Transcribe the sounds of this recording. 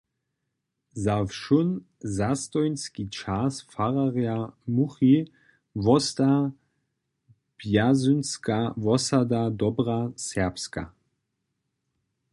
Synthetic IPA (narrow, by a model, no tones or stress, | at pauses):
zafʃun | zast̪ɔjnskit͡ʃʰasfaʁaʁjamuχi | vɔst̪a | b̥jazynskavɔsad̪ad̪ɔbrasɛpska̰